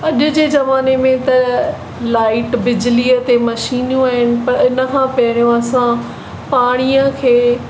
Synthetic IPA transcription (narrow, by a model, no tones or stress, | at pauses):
ɐʄʊ̆d͡ʑeːzɐʋaːnemẽt̪ɐ | laːɪʈbɪd͡ʑɪliːət̪emɐʃiːnjũaːɦɪnɪ̆pɐɾɪnə̆kʰãpɐɪɽ̃ijõɐsã | paːɽ̃ijə̃kʰeː